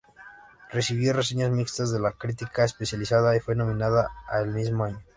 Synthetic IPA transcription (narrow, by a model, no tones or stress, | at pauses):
re̞siβjo̞res̬e̞ɲazmikst̪azðe̞lakɾit̪ikaespe̞sjalisaðaifwe̞nõ̞mĩnaðaːelmizmoaɲo